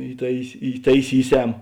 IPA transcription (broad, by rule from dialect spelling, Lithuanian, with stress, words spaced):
iːˈtɐɪs iːtɐɪˈsʲiːˌsʲɛm